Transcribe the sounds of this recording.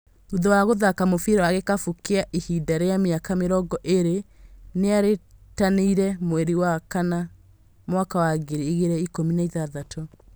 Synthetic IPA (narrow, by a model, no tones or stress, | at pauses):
uðɔwaɣoðakamofiɾɔwaɣekafukeaʔihidaɾeameakameɾɔɡɔʔeɾeneaɾetaneiɾɛmweɾiwakana | mwakawaɡeɾiːɣeɾɛikominaiðaðatʰo